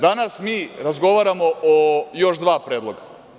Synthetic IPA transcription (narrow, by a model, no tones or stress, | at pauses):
d̪anasmiːɾazɡo̞ʋaɾamoʔojo̞ʃd̪ʋaːpɾeːd̪lˠoɡa